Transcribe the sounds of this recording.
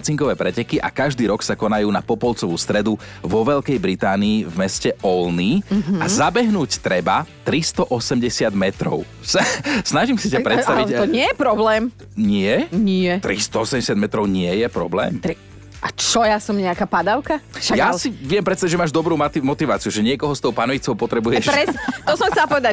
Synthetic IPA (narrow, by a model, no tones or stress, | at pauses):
t͡siŋkɔʋɛːpɾɛcɛkiʔa̰kaʒd̪iːɾɔksakɔnajuːnapɔpɔlt͡sɔʋuːst̪ɾɛd̪uʋɔʋɛʎkɛjbɾit̪aːniːvmɛscɛɔlniazabɛɦnuːct̪ɾɛbat̪ɾist̪ɔʔɔsɛmɟɛsɪad̪mɛt̪ɾɔ̰ʊ | snaʒimsicapɾɛtst̪aʋit̪ɔɲɪɛjɛpɾɔblɛːm | ɲɪɛɲɪɛt̪ɾist̪ɔɔsɛmɟɛsjad̪mɛt̪ɾɔʊɲɪɛjɛpɾɔ̰blɛ̰ːmt̪ɾi | ʔat͡ʃɔjasɔmɲɛakaːpad̪aʊkaʃajasiʋijɛmpɾɛt̪st̪aiɟd͡ʒʒɛmaːʒd̪ɔbɾuːmt̪mɔt̪iʋaːt͡siuʒɛɲɪɛkɔɦɔst̪ɔʊpanɔʋit͡sɔʊpɔt̪ɾɛbujɛʃɾɛt̪ɔsɔmxt̪ɛlaːpɔʋɛd̪a